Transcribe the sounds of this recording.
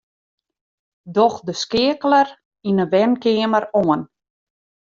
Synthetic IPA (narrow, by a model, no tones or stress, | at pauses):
dɔxdəskɪəklər | inəʋɛnkɪəməɾoən